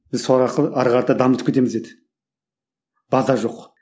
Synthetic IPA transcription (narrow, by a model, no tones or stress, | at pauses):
b̥ɪzsoɾɑɾqəɑɾʁɑɾt̪ɑd̪ɑmət̪əp̚kʰet̪e̞mɪze̞d̪ɪ | b̥ɑzɑʒo̞q